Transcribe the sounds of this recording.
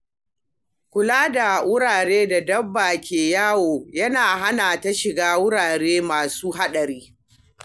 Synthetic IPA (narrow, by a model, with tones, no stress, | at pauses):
kʷʊ˨laː˦da˨wʊ˦ɽaː˨ɽeː˦da˨dɐ˦bːaː˨kʲeː˨jaː˦woː˨jɐ˦naː˨ɦa˦na˨ta˦ʃɪ˨ɡaː˦wʊ˦ɽaː˨ɽeː˦maː˨suː˦ɦa˦ɗɐ˨ɾiː˦